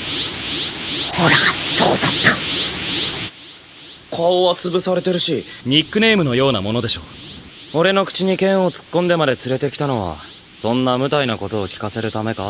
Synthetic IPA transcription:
ho̞ɾaso̰ːd̪at̪ːḁ | kʰaoβat͡sɨbɯ̟saɾe̞t̪e̞ɾɯ̟ɕiɲ̟ikːɯ̟ne̞ːmɯ̟no̞jo̞ːnamo̞no̞d̪e̞ɕo̞ː | o̞ɾe̞no̞kɯ̟̥t͡ɕiɲ̟ikẽ̞ɰ̃o̞t͡sɨ̥kːond̪e̞mad̪e̞t͡sɨɾe̞t̪e̞kʲi̥t̪ano̞β̞a̰ | sõ̞nːamɯ̟t̪ainako̞t̪o̞ːkʲi̥kase̞ɾɯ̟t̪ame̞ka

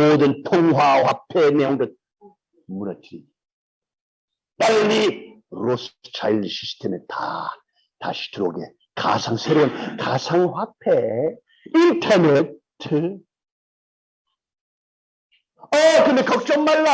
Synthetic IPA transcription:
odɯntʰoŋɦwahwapʰenejɔŋdɯt̚ | muɾatʰi | taɾɯni | ɾostʰajlsistʰemetʰa̰ | ta̰si̥tʰɯɾoɡḛ | kʰa̰sʰaŋsʰeɾoɯnkʰasʰaŋhwapʰe | intʰanetʰɯ | ʌkɯndekʌk̚t͡ɕʌmmalːa

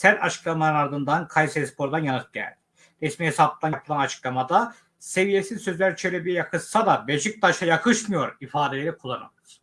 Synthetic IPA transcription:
sæɾt̪ʰa̰t͡ʃʰɯ̥klˠamanɯnaɾd̪ɯnd̪ankʰajseispʰo̞ɾd̪anjanɯt̪̚ɟæ̰lʲd̪i | ɾɛsmiɦesabˠɯd̪anjapʰɯlˠanat͡ʃʰɯ̥klˠamad̪a | se̞vije̞sizsø̞zlʲæɾt͡ʃʰelʲebijɛjakʰɯʃsad̪abed͡ʒɯk̚t̪ʰaʃajakʰɯʃmɯjo̞ɾifaːd̪elʲe̞ɾikʰulˠːanɯ̰lˠɯɾ̥

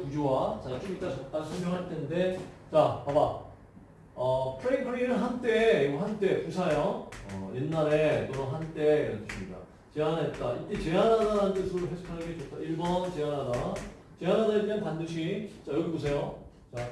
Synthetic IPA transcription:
pud͡ʑowat͡ɕatʰiɡit͈asʰʌt͈asʰʌmbjoŋɦaɭtʰe̞nnde̞t͡ɕapaba | ʌpʰɯɾeinkʰɯɾiɾɯɭɦant͈e̞ɡoɦant͈e̞kusʰajʌʌ̰jenːaɾe̞t͈onɯnɦant͈e̞iɾʌntʰɯɕʰimɲida̰ | t͡ɕeɦanat̚k͈ait͈et͡ɕe̞ɦanadant͈esʰɯɾoɦesʰu̥kʰanɯnɡet͡ɕotʰaiɭbʌnt͡ɕe̞ɦanada | t͡ɕe̞ɦanadaetɯanpandɯɕʰit͡ɕajʌɡʰebos̬ʰe̞jo | t͡ɕa

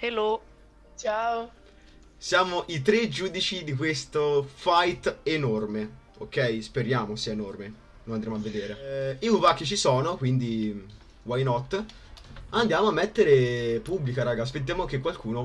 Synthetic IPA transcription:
helo | t͡ʃao | sjaːmoʔit̪ɾed͡ʒuːd̪it͡ʃid̪ikwest̪ofajt̪enorme | okːɛjspeɾjaːmosiːaenorme | nonand̪ɾjamoavːed̪eːɾeikuvakːit͡ʃisɔːnokwind̪i | wajnɔt̪ː | and̪jaːmoamːet̪ːeɾepubːlikaɾaːɡaas̬pet̪̬ːjaːmoak̟ekːwalkuːno

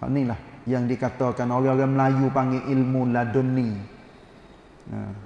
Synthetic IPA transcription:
a̰nilahjaŋdikat̪ɔkanoɣaɣaməlajupaŋiʔilmuladonːi | a̰

